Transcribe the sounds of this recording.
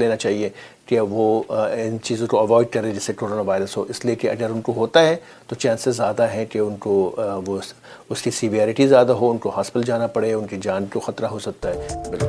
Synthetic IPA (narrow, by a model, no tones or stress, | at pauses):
leːnat͡ʃaːɦie | keʋoɪnt͡ʃiːzõkoɐʋɔːɪɖ̚kɐɾẽd͡ʒɪsːekoːɾoːnaʋaːɪɾəsɦo̰ːʔɪsliekeɐ̰ɡəɾʊnkoɦoːt̪aɦɛ | t̪ot͡ʃɛ̃ːnsezjaːd̪aɦɛ̃keʊnkoʋo | ʊskisɪʋijaːɾɪʈizjaːd̪aɦoʊnkoɦaːspɪld͡ʒaːnapɐɽeʊnkid͡ʒaːnkoxɐt̪ɾaɦosɐk̚t̪aɦɛːbɪlkʊl